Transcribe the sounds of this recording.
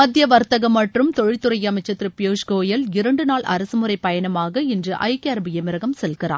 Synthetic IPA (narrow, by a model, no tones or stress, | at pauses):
mɐd̪ʱjɐʋɐɾt̪ɐɣɐmːɐʈrɯmt̪ɔɻɪt̪ːɯɾɐjɐmɐɪt͡ʃːɐt̪ːɪɾɯpɪjoːʂkoːjɐlɪɾɐɳɖɯnaːlɐ̰ɾɐsɯmɯɾɐɪpːɐjɐnɐmaːɣɐɪndrɯʔɐ̰ɪkːɐɐɾɐbɯjɛmɪɾɐɣɐmsɛlkɪra̰ː